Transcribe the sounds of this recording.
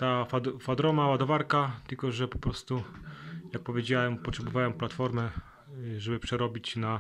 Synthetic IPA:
t̪afad̪fad̪ɾɔmawad̪ɔvaɾkat̪ɘlkɔʐɛpɔ̥pɾɔst̪ujak̚pɔvʲjed͡ʑawɛmpɔtʂɛbɔvawɛmplat̪fɔɾmɛ | ʐɛbɘpʂɛɾɔbʲit͡ɕna

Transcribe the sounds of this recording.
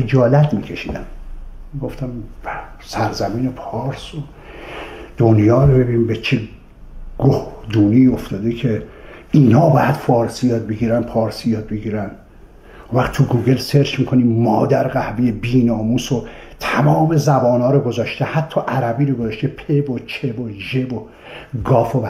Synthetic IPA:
ed͡ʒɒːlæt̪miːcʰe̞ʃḭːd̪æmmiɡo̞ft̪æm | sæɾzæmiːnepʰɒːɾso | d̪̥onjɒːɾobe̞binimbet͡ʃʰe | ɡ̥ohd̪uːniːoft̪ɒːd̪ekʰeiːnhɒːbɒːjæd̪̥fɒːɾsijɒːd̪̚beɡiːɾænpʰɒːɾsijɒːd̪̚beɡiːɾænd̪ | unvæxt̪ʰuɡuːɡelseɾt͡ʃmikʰo̞niːmːɒːd̪æɾɡæhbejebiːnɒːmuːso | t̪ʰæmɒːme̞zæbɒːnɒːɾoɡo̞zɒːʃt̪ehæt̪ʰːɒːʔæɾæbiːɾoɡozɒʃt̪epʰebot͡ʃʰeboʒebo | ɡɒːfobæ

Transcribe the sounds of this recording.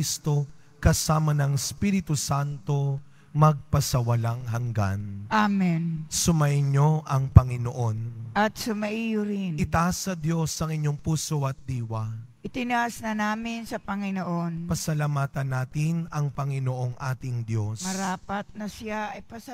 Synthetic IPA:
ist̪o̞ | kɐsaːmɐnɐŋspiɾɪt̪usant̪o̞ | mɐɡ̚pɐsɐwɐlaŋɦɐŋɡa̰nʔamɛnsʊmɐʔɪɲo̞ʔɐŋpɐŋɪnoʔo̞nʔɐt̪̚sʊmɐʔijʊɾɪnɪt̪asɐd̪jo̞sɐŋɪɲːo̞ŋpuːsoʔɐt̪̚d̪iːwɐ | ʔɪt̪ɪnaʔsnɐnaːmɪnsɐpɐŋɪnoʔonpɐsɐlamaːt̪ɐnːaːt̪ɪnɐŋpɐŋɪnoʔoŋʔaːt̪ɪŋd̪jo̞smɐɾaːpɐt̪̚nɐsɪaʔɐjpɐ

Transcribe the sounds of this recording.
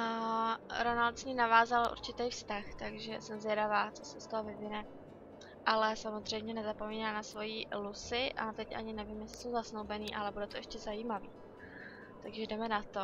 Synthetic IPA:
ɾo̞nalt̪sɲiːnavaːzalʔṵɾt͡ʃɪt̪ejfst̪axt̪aɡʒɛsɛmzjɛdavaːt͡sosɛst̪oɦovɪvɪnɛ | ʔalɛsamozr̝ɛjmɲɛnɛzapo̞miːnaːnasvo̞jilusɪʔa̰t̪ɛcʔa̰ɲɪnɛviːmjɛsɪ̥so̞wzasnowbɛniːʔalɛbudɛt̪oɛʃcɛzajiːmaviː | t̪aɡʒɛdɛmɛnat̪o

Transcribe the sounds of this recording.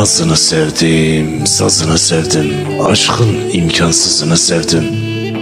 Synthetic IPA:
ɑzɯnɯsævd̪imsɑ̰zɯnɯsævd̪ɪm | ɑ̰ʃχɯn | imcʰɑnsɯzɯnɯsævd̪ɪm

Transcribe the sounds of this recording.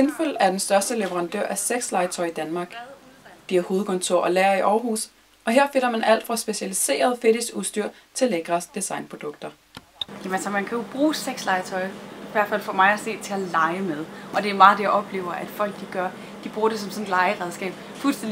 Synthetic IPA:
e̝nføl̰æɐd̥ensd̥ɶɐsd̥əleʋəʁɑ̈nd̥ø̰ɐ̰ʔæseɡ̥slɑ̈ɪət͡sʰɒ̽ɪid̥ænmɑ̈ːɡ̥ | d̥iæɐho̝ːð̞̩ˠkʰɔ̽nt͡sʰo̝ɐ̰ɒ̽læːɐiʔɒːɐɦṵːs | ʔɒ̽ɦe̝ɐ̰fe̝nɐmænʔæl̰d̥fʁɑ̈sb̥e̝ɕælise̝̰ːɐð̞ˠfe̝d̥isɡ̥usd̥yɐ̰ | t͡sʰe̝leɡ̥ʁɐsd̥isɑ̈ɪnpʰʁod̥ɔ̽ɡ̥̚d̥ɐ | jæmænsɐmænkʰæjo̝b̥ʁuːseɡ̥slɑ̈ɪət͡sʰɒ̽ɪiʋæɐd̥fælfɒmɑ̈ɪæse̝̰ːd̥̚t͡sʰe̝ælɑ̈ɪəmeðˠʔɒ̽d̥e̝æɐmɑ̈ːðˠd̥e̝jɑ̈ɪɒ̽b̥le̝̰ːʊɐʔæd̥fɒ̽l̰ɡ̥̚d̥iɡ̥ɶɐ | d̥ib̥ʁuːɐɾ̥e̝sɒ̽msɔ̽nlɑ̈ɪəʁɛð̞ˠsɡ̥ɛ̰ːb̥ | fulsd̥en

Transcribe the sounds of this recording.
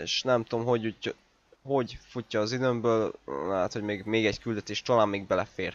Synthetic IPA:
eʃnɛmt̪omɦoɟ | ho̞ɟfucːɒːzid̪ømbøːllɛ̰ɦːt̪hoɟmeːɡmeːɡɛɟkyld̪ɛt̪eːʃt̪olaːmːeːɡ̚bɛlɛfeːr

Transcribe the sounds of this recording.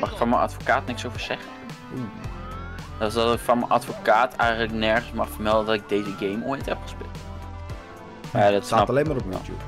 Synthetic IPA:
mɑχɪkfɑnmənɑ̰tfokaːtnɪksowvəɹz̥ɛχə | dɑlˠs̬dɑtɪkfɑnmənʔɑ̰tfokaːtʰɛjχələknɛɹχənsmɑχfəɹmɛlˠdəndɑtɪɡ̚dejzəɡejmojtɦɛpχə̥spɪlˠt | adɔtsɑtlejnmaːɾɔptṵ

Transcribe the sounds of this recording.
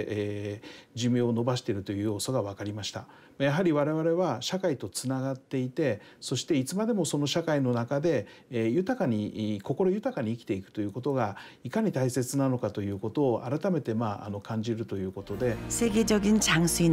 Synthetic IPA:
ʔeːd͡ʑɨmioːno̞baɕi̥t̪e̞ɾɯ̟t̪o̞jɯ̟ːjo̞ːso̞ɡaβ̞akaɾʲimaɕi̥t̪a | majaɦaɾʲiβaɾe̞βaɾe̞βaɕakait̪o̞t͡sɨnaɡat̪ːe̞it̪e̞ | so̞ɕi̥t̪e̞it͡sɨmad̪e̞mo̞so̞no̞ɕakaino̞nakad̪e̞jɯ̟t̪akaɲ̟iko̞ko̞ɾo̞jɯ̟t̪akaɲ̟iːkʲi̥t̪e̞ikɯ̟̥t̪o̞jɯ̟ːko̞t̪o̞ɡa | ikaɲ̟it̪aise̞t͡sɨnano̞kat̪o̞jɯ̟ːko̞t̪o̞ːʔa̰ɾat̪ame̞t̪e̞maːʔa̰no̞kãɲ̟d͡ʑiɾɯ̟t̪o̞jɯ̟ːko̞t̪o̞d̪e̞seɡʲed͡ʑoɡʲint͡ɕaŋsɨi

